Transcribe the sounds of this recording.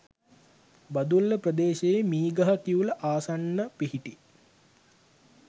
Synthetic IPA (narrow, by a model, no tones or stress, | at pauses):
bad̪ulːəprəd̪eːʃejemiːɡɐɦɐkiuləʔaːsanːəpiɦiʈi